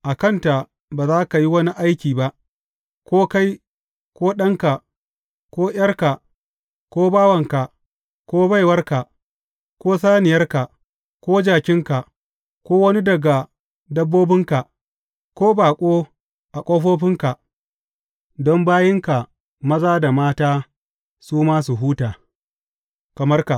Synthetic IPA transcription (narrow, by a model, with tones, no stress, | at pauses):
ʔa˨kɐ˦nta˨ | baː˨zaː˦ka˨ji˦wɐ˦ni˦ʔa˦jkʲiː˨ba˦ʔ | kʷoː˦ka˦j | kʷoː˦ɗɐ˦ŋka˨ | kʷoː˦j̰ɐ˦rka˨ | koː˦baː˦wɐ˨ŋka˨ | kʷoː˦ba˦jwɐ˦rka˨ | kʷoː˦saː˦nɪ˨jɐ˦rka˨ | kʷoː˦d͡ʒaː˨kʲɪ˦ŋka˨ | kʷoː˦wɐ˦ni˦dɐ˨ɡa˨ | dɐ˦bːoː˦bɪ˦ŋka˨ | kʷoː˦baː˨kʷʼoː˦ | ʔa˨kʷʼoː˦ɸoː˦ɸɪ˦ŋka˨ | dɔ˦mbaː˦jɪ˦ŋka˨ | mɐ˦zaː˦da˨maː˦taː˦ | suː˦maː˦su˨ɦuː˦taː˨ | kɐ˨mɐ˦rka˨